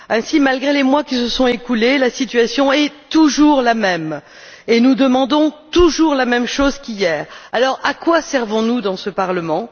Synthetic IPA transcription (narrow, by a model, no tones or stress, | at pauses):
ɛ̃simalɡʁelemwakʲisəsɔ̃ekulelasit̪ɥasjɔ̃ɛt̪uʒuʁlamɛm | enud̪əmɑ̃d̪ɔ̃t̪uʒuʁlamɛmʃozkijɛːʁalɔʁakwasɛʁvɔ̃nud̪ɑ̃səpaʁləmɑ̃